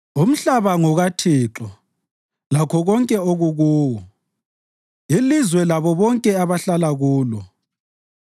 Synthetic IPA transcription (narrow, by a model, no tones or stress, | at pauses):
um̩ɬaβaŋɔɣatʰiːǁɔ | lakʰɔɣɔŋkʼɛoɣuɣuːwɔ | ilizwɛlaβɔβɔŋkʼɛaβaɬalaɣuːlɔ